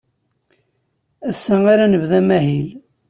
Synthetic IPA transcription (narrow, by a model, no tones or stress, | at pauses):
æsːæŋaɾanəvðæmæhil